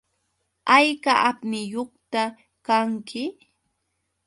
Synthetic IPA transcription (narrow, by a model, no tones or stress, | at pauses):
ajkaʔapmɪjoχt̪a | kaŋkɪ